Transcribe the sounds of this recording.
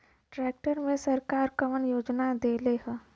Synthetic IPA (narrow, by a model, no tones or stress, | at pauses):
ʈɾɛːk̚ʈəɾmẽsɐɾkaːɾkɐmənjoːd͡ʒnad̪eːleɦɛ